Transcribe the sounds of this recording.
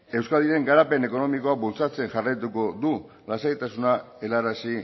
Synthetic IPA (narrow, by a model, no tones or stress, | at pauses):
e̞wskald̪iɾe̞ŋɡaɾape̞ne̞ko̞no̞miko̞abult͡sat͡se̞ŋʝarajt̪uko̞d̪u | lasait̪asuna | e̞larasi